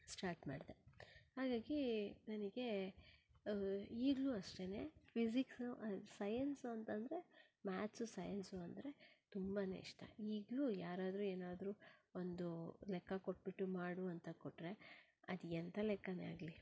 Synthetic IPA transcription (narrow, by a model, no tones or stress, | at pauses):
sʈaːɾʈma̰ːɽd̪ehaːɡaːɡinɐniɡe̞ | iːɡluɐʂʈene̞pʰisiksuʔsɐjɐnsuɐnt̪ɐnd̪ɾe̞maːt̪ʰsusɐjɐnsuɐnd̪ɾe̞t̪umbɐnḛḭʂʈɐ̰iːɡlujaːɾaːd̪ɾuːeːnaːd̪ɾuːond̪ulɛkːɐkoʈ̚ːbiʈːumaːɽuɐnt̪ɐkoʈːɾe̞ | ɐd̪iɛnt̪ʰɐlɛkːɐnea̰ːɡli